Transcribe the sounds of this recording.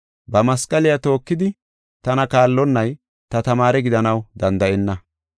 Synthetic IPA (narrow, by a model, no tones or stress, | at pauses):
bɐmɐskʼɐlɪjat̪o̞ːkːɪd̪ɪ | t̪ɐnɐkaːlːɔnːɐj | t̪ɐt̪ɐmaːɾɛɡɪd̪ɐnɐwd̪ɐnd̪ɐʔɛnːɐ